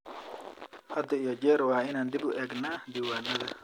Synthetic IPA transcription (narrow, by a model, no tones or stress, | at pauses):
ad̪ɔjɔd͡ʒɛɾwainand̪ibuʔɛɡnand̪iwanala